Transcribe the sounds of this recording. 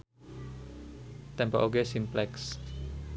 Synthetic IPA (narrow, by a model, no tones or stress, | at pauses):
t̪ɛmpa̰ʔoɡesimplɛks